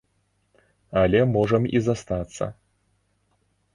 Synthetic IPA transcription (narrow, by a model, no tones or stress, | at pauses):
alʲɛmɔʐɐmizast̪at̪sːɐ̰